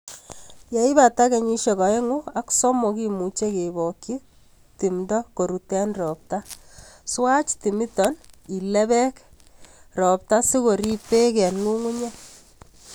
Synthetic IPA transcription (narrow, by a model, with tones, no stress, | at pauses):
je˨˦i˦ba˨ta˦ke˨ɲi˦ʃe˨ka˨e˦ŋu˦a˦ksɔ˦mɔ˨ki˦mu˨t͡ʃe˦ke˨bɔ˨ki˦ | ti˨mdɔ˦ko˨ɾu˨tɛ˦nrɔ˨p̚ta˦swa˦t͡ʃti˨mi˦tɔ˦ni˨lɛ˦βɛ˦k | rɔ˨p̚ta˦si˦ko˨ɾi˦pe˦kɛ˨nŋu˦ŋu˦ɲe˦